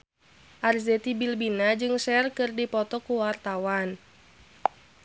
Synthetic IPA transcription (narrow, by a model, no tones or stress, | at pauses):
ʔarzɛt̪ibilbinad͡ʒɨŋsɛrkɨrdipɔt̪ɔkuwart̪awan